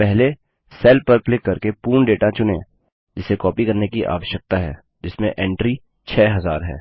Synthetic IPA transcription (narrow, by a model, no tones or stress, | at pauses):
pɛɦle | sɛːlpɐɾklɪkːɐɾkepuːɳɖeːʈat͡ʃʊnẽː | d͡ʒɪsekɔːpikɐɾnekiʔa̰ːʋəʃjək̚t̪aɦɛ̰ː | d͡ʒɪsmḛ̃ʔɛ̃ːɳʈɾi | t͡ʃʰɛːɦɐzaːɾɦɛ̰ː